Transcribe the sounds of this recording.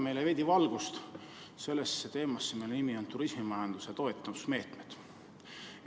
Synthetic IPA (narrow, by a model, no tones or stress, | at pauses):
me̞jleve̞d̪̥ʲivɑlɡ̥ust̪ | se̞lːesːet̪e̞ːmɑsːemejlenimio̞nt̪uɾismimɑjɑnd̪̥uset̪o̞et̪ˑːɑmusme̞ːt̪med̪̥